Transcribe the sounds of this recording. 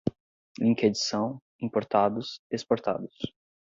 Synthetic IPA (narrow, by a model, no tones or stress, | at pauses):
lĩŋked͡ʒisɐ̃w̃ | ĩmpoɾt̪ad̪ʊsespoɾt̪a̰d̪ʊs